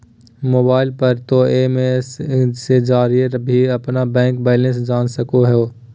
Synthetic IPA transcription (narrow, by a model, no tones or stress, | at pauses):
moːbaːɪlpɐɾt̪oeːmessed͡ʒaːɾieɾbʱiɐpnabɛ̃ːŋkbɛːlə̃sd͡ʒaːnsɐkoɦɛoː